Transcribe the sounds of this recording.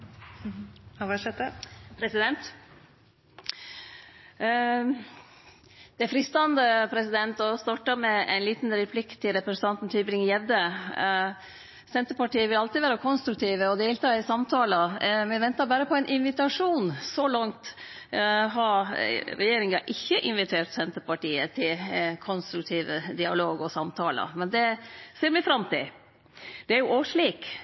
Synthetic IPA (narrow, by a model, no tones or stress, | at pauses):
ɑɛt̪əpʰɾɛsɪd̪ɛnt̪ | d̪̥ɛfɾɪst̪ɑnd̪əpʰɾɛsɪd̪ɛnt̪ɔst̪ɑʈəɾmɛʔæ̰ɪnliːt̪n̩ɾɛpʰlɪkt̪ʰːɪlɾɛpɾəsn̩ɑnt̪n̩t̪ʰyːbɾɪŋjɛʋd̪ə | sɛnt̪əpɑʈiːəʋɪlɑlt̪ɪʋæːɾəkʰɔnst̪ɾʉkt̪ʰiːʋəɔd̪eːlt̪ʰɑːɪsɑmt̪ʰɑːləmɛʋɛnt̪ɑɾbæːɾəpʰɔæɪnʔɪnʋɪt̪ɑʂuːnsɔlɑŋt̪ | ɦɑɾɾɛjeːɾɪŋɑʔɪçːəʔɪnʋɪt̪ʰeːɾʈ̪sɛnt̪əɾpɑʈiːət̪ʰɪlkʰɔnst̪ɾʉk̚t̪ʰiːʋəd̪ɪɑloːɡɔsɑmt̪ʰɑ̰ːlə̰mɛnd̪ɛseːɾmɛfɾɑmt̪ʰɪ̰l | d̪̥ɛæɾjʊʔoːʂɭiːk